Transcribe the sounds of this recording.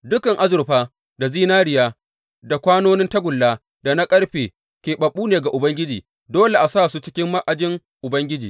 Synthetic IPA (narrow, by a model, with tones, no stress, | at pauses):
dʊ˦kɐ˨ŋʔa˦zʊ˨ɾɸaː˦ | da˨ziː˦naː˦ɽɪ˨jaː˦ | da˨kʷaː˦noː˦nɪ˦ntɐ˦ɡʷʊ˨lːaː˦ | da˨na˦kʼɐ˦ɽɸeː˨ | kʲeː˨ɓɐ˨ɓuː˦neː˨ɡa˨ʔʊ˨bɐ˦ŋɡʲɪ˦d͡ʒiː˨ | doː˦le˨ʔa˨saː˦˨su˦t͡ʃɪ˦kʲɪ˦mːa˦ʔa˨d͡ʒɪ˦ŋ | ʔʊ˨bɐ˦ŋɡʲɪ˦d͡ʒiː˨